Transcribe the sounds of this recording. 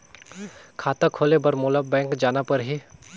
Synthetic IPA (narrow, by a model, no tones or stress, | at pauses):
kʰaːt̪akʰoːlebɐɾmʊləbbɛ̃ːŋkd͡ʒaːnapɐɾɦiː